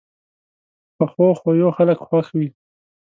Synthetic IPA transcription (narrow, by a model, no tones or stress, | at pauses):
pəxoxojoxaləkxwaxwi